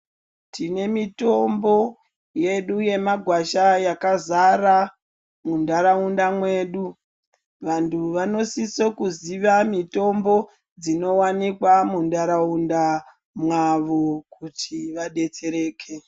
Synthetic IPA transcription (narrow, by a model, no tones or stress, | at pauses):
tine̞mito̞mbo̞ | je̞ɗuje̞maɡʱwaʃajakazara | mundaɾaundamwe̞ːɗu | ʋantʰuʋano̞sisokuziʋamito̞mbo̞ | d͡zino̞wanikwamundaɾaunda | mwaʋo̞k̚utʰiʋaɗe̞t͡se̞ɾe̞ːkʰe